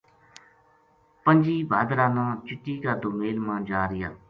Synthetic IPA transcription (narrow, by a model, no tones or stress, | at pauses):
pənd͡ʒiːbʱaːd̪ɾaːnãːt͡ʃɪʈːiːkaːd̪ʊmeːlmãːd͡ʒaːɾɪja̰ː